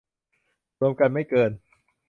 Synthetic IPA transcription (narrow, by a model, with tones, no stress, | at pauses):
ɾu˧əmka˧nma˥˩jkɤː˧n